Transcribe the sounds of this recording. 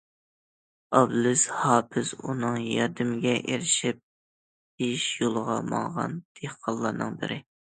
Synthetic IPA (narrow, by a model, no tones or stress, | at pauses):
ɑblɪshɑːpʰɪz̥unɨŋjɑɾd̪ɪmɪɡʲɛʔeɾɪʃip̚ | heʃjolˠəʁɑmɑ̰ŋʁɑ̰nd̪̥ʰehqʰɑllˠːɑːnɨŋbɪ̰ɾʔɪ